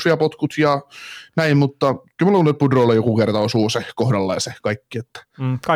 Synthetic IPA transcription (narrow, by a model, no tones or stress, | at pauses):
ijɑpot̪kut̪jɑnæimmut̪ːɑkylmulːoulːet̪̚pudrolːejokukert̪ɑosuːsekohdɑlːɑ̰jɑsekɑikːiet̪ːæ̥k